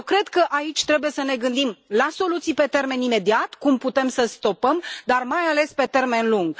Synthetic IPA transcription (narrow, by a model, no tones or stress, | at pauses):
kɾe̞d̪kəʔait͡ʃʲt̪ɾe̞buje̞səne̞ɡɨnd̪imlaso̞lut̪sijpe̞t̪e̞rme̞nime̞d̪iat̪kumput̪e̞msəst̪o̞pəmd̪armajale̞spe̞t̪e̞rme̞nluŋɡ